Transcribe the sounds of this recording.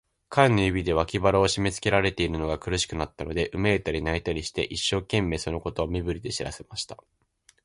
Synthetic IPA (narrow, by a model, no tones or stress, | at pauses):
kʰãnːojibʲid̪e̞βakʲibaɾaoɕime̞t͡sɨ̥ke̞ɾaɾe̞t̪e̞iɾɯno̞ɡakɯ̟ɾɯɕi̥kɯ̟nat̪ːano̞d̪e̞ʔɯ̟meet̪aɾʲinait̪aɾʲiɕi̥t̪e̞̰ʔiɕːo̞ːkẽ̞mːe̞ːso̞no̞ko̞t̪o̞ːmʲibɯ̟ɾʲid̪e̞ɕiɾa̰se̞maɕi̥t̪a